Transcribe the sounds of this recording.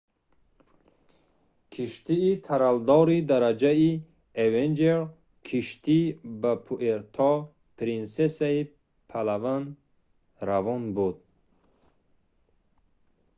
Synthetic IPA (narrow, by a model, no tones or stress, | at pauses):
kʰiʃt̪iːt̪ʰaɾald̪ɔɾid̪aɾad͡ʒai | evend͡ʒeɾ | kʰiʃt̪ʰibapʰuʔeɾt̪ʰɔ | pʰɾinsesai | pʰalavan | ɾavɔnbud̪̚